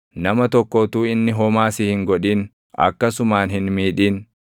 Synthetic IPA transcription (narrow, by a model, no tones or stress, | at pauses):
nɐmɐt̪ɔkːɔːt̪uːɪnːɪɦɔmaːsɪhɪŋɡɔᶑiːn | ɐ̰kːɐsʊmaːnhɪnmiːᶑiːn